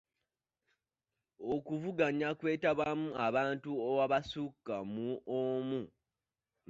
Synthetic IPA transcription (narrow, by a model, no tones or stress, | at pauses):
okuvuɡaɲakwe̞ːtaβamuaβaːntuowaβasukːamuomu